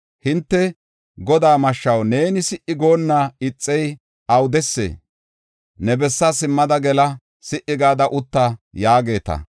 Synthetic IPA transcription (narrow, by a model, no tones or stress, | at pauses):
hɪnt̪ːɛ | ɡɔd̪aːmɐʃːɐwne̞ːnɪsɪʔɪɡo̞ːnːaːɪt͡sʼːɛj | ɐwd̪ɛsːḛː | nɛbɛsːɐsɪmːɐd̪ɐɡɛlɐ | sɪʔɪɡaːd̪ɐʔʊt̪ːajaːɡe̞ːt̪ɐ̰